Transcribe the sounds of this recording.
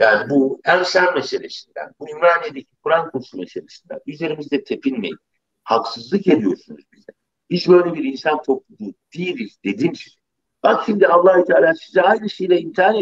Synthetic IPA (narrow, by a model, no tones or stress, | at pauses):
jaːnibuænsænmeʃelʲeʃind̪æ̰nbuimɾaːnijed̪ecʰi̥kʰuɾankʰuɾʃumeʃelʲeʃind̪æ̰nyze̞ɾimizd̪ɛt̪ʰe̞pʰinmḛjḭn | haksɯzlˠɯke̞d̪ijo̞̰ɾsunuzbizɛ | hit͡ʃbø̞jlʲebiɾinsant̪ʰo̞p̚lˠud̪uːd̪̥ijilʲizd̪e̞d̪imz | b̥akʃimd̪ialˠːaːhut̪ʰaːlʲaːsizɛajnɯʃejlʲɛint̪ʰaːn